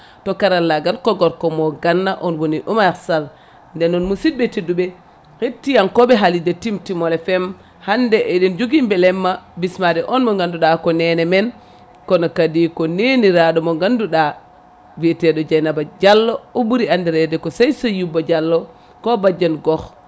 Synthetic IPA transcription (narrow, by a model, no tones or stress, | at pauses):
tɔkaɾalːaɡalkɔɡɔɾkɔmɔɡanːaʔɔnwoniʔumasal | ndɛnɔnmusit̚betidubɛ | hetːijankɔbɛɦalidɛtimtimɔlɛfɛm | handɛʔɛɗind͡ʒuɡimbɛlɛmːabismadɛʔɔnmɔŋɡanduɗakɔnɛnɛmɛn | kɔnɔkadikɔneniɾaɗɔmɔŋɡanduɗa | vitɛɗɔd͡ʒajnabad͡ʒalːɔɔbuɾiandiɾɛdɛkɔsajsɔjubad͡ʒalːɔ | kɔbad͡ʒːanɡɔx